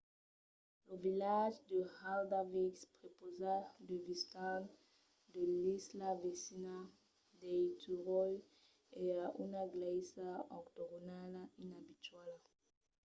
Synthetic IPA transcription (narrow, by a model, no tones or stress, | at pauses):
lovilaʒd̪əhald̪avikspɾepozadevist̪ãn | d̪elislavesina | d̪ejt̪ʰuʁoj | ɛaʔunaɡlejsaokt̪oɡonalainabit̪wala